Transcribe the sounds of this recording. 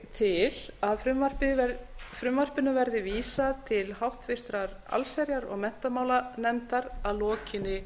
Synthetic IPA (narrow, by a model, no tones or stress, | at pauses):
t̪ʰɪlaðfɾʏmvar̥pɪfɾʏmvar̥pɪnʏvɛɾðɪviːsat̪ʰɪlɦawht̪vɪr̥t̪ɾaɾ | a̰lsɛɾjaɾɔ̰ɣmɛn̥t̪amaːwlanɛnt̪aɾaðlɔːcɪnːɪ